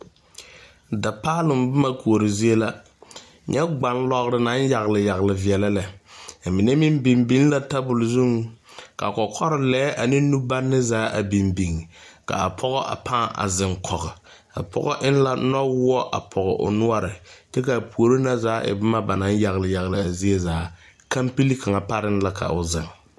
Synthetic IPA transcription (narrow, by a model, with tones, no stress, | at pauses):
da˨paː˦lɪ˨mbʊ˦ma˦ku˨o˨ɾɪ˨zi˦e˦la˦ | ɲɛ˦ɡ͡ba˨nlɔ˦ɣɾɪ˨na˨˦n˦ja˨ɣlɪ˨ja˨ɣlɪ˨vi˨ɛ˨lɛ˦lɛ˨mɪ˨nɛ˦mɪ˦mbi˨mbi˦ŋ˦la˦ta˦bʊ˨lzu˦ŋka̰˨kɔ˨kʰɔ˦ɾɪ˦lɛː˨˦ʔa˨nɪ˦nu˦ba˦nːɪ˦zaː˨˦ʔa˨bi˨mbi˨ŋ˨ka̰˨a˨pʰɔ˦ɣɔ˦ʔa̰˨pʰaː˦˨a̰˨zɪ˨ŋkʰɔ˨ɣɪ˨ | a̰˨pʰɔ̰˦ɣɔ˦ʔɪ˦n˦la˦nɔ˦wʊ˦ɔ˦ʔa̰˨pʰɔ˨ɣɔ̰˨ʔʊ̰˨nʊ˦ɔ˦ɾɪ˨tɛ˦ka˨pu˨o˨ɾo˦na˦zaː˨˦ʔɪ̰˨bʊ˦ma˦ba˨na˨˦n˦ja˨ɣlɪ˨ja˨ɣlɪ˨a˨zi˦e˦zaː˨˦ | ka˦mpi˦li˦ka˨ŋa˨pa˦ɾɪ˦n˦la˦kʰa̰˨ʔʊ˨zɪ˨ŋ